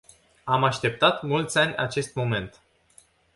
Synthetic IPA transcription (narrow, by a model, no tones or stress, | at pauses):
amaʃt̪e̞p̚t̪at̪mult̪sʲanʲa̰t͡ʃe̞st̪mo̞me̞nt̪